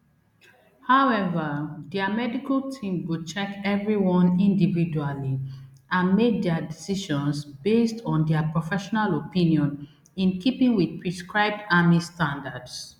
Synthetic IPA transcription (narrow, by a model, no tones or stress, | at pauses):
haʊɛvədɛamɛdikaltʰĩmwut͡ʃɛkɛvɹiwɔ̃nĩndividualiãnmek̚dɛadisiʃɔ̃nsbestɔ̃ndapɹɔfɛʃɔnalopĩnjɔ̃n | ĩnkipĩŋwid̚pʰɹiskɹaɪb̚damistãndads